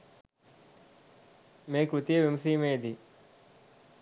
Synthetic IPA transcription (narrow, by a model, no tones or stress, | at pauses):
meːkɾut̪ijeʋimɐsiːmeːd̪i